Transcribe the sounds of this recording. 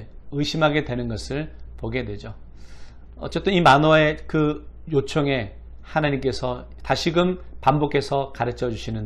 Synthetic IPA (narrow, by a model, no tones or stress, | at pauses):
ɯɕʰimɦaɡe̞dwe̞nɯnɡʌsʰɯɭpoɡe̞dwe̞d͡ʑo | ʌ̰t͡ɕ͈et͈ɯnimanʌe̞kɯjot͡ɕʰoŋe̞ | hanaɲimk͈e̞sʰʌ | taɕʰiɡɯmpambokʰe̞sʰʌkaɾɯt͡ɕʰʌd͡ʑuɕʰinɯn